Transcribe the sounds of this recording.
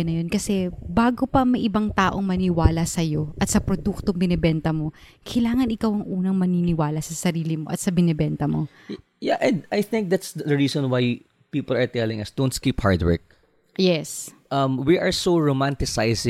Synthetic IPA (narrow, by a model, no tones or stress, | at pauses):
nɐjo̞nkɐsɛbaːɡopɐmɐjʔɪbɐŋt̪aːʔo̞ŋmɐnɪwaːlɐsɐjo̞ʔɐt̪sɐpɾod̪uk̚t̪oŋbɪnɛbɛnt̪ɐmo̞kʰɐjlaːŋɐnɪkawɐŋʔuːnɐŋmɐninɪwaːlɐsɐsɐɾiːlɪmo̞ʔɐt̪̚sɐbɪnɛbɛnt̪ɐmo̞ | jaʔɛ̃nd̪ajθɪ̃ŋk̚d̪at̪sdd̪ɐɹiːsɔ̃nwaj | piːpɐlɐɹt̪ɛlɪ̃ŋɐsd̪̥õwnt̪skiːpha̰ɹt̪wɛ̰ɹk̚ | jɛs | ʔɐmwiʔɐɹsoɹomãnt̪ɪsajsɪ̃